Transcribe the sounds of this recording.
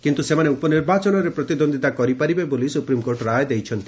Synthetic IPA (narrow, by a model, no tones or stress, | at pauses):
kint̪usemaneupɔniɾbat͡ʃɔnɔɾepɾɔt̪id̪ond̪it̪akɔɾipaɾibebolisupɾimkoɾʈɾajd̪ejt͡ʃʰɔnt̪i̥